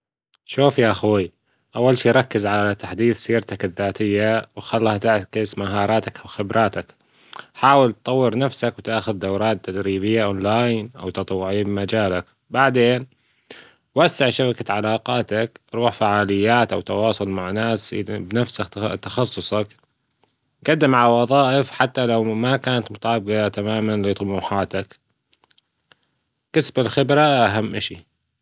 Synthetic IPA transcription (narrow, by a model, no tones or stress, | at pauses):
ʃuːfjaʔaxi | ʔawːalʃiːɾˤɑkːɪzʕallat̪aħd̪iːθsiːɾt̪akɪðːaːt̪ɪjːawxalːhat̪aʕkɪsmaɦɑːɾˤɑːt̪akwxɪbɾˤʔɑːt̪ak | ħaːwɪlt̪̚t̪ˤɑwːɪɾnafsakwt̪aʔxʊðd̪awɾˤɑːt̪ːad̪ɾiːbɪjːaʔoːnlaːjnʔa̰wt̪ɑt̪ˤwːʊʕibmad͡ʒaːlak | baʕd̪eːn | wasːaʕʃabakaʕalaːqɑːt̪akɾˤuːħfaʕaːlɪjːaːt̪ʔawt̪ɑwɑːsˤʊlmaʕnaːsbnafsat̪ɑ̥xɑsˤːʊsˤɑk | ɡad̪ːɪmʕawɑðˤɑːʔɪfħat̪ːalawmakaːnat̪mʊt̪ˤʕɑbɡat̪amaːmanlit̪ˤmuːħaːt̪ak | kasbɪlxɪbɾˤaʔaɦamːʔaʃḭ